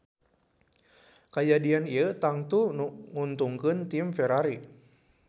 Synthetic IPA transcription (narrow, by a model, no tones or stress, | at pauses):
kajadianiət̪aŋt̪unŋunt̪uŋkɨnt̪ɪmfɛɾaɾi